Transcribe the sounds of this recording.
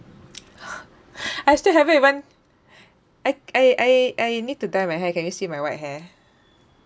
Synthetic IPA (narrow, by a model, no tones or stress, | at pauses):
ajstilɦɛvɛiwãn | ʔajajajʔajnid̚tudajmaɪɦɛ̃kɛ̃njisimajwajt̚ɦɛ̃